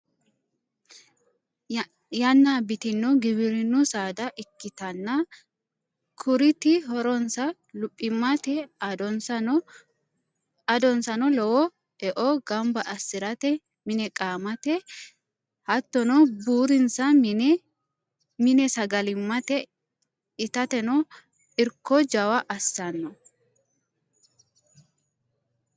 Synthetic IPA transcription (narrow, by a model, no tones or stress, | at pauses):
jɐnːaːbɪt̪ɪnːɔɡɪbɪɾɪnːʊsaːd̪ɐʔɪkːɪt̪ɐnːɐ | kʰʊɾɪt̪ɪɦɔɾɔnsɐ | lʊpʼːɪmːɐt̪ɛd̪ɔnsɐ | ɐd̪ɔnsɐnɔlɔwɔ | ɛʔɔɡɐmbɐʔɐsːɪɾɐt̪ɛ | mɪnɛkʼaːmɐt̪ɛ | hɐt̪ːɔnɔbuːɾɪnsɐ | mɪnɛsɐɡɐlɪmːɐt̪ɛ | ɪt̪ɐt̪ɛnɔ | ɪɾkːɔd͡ʒɐwɐʔɐsːɐnːɔ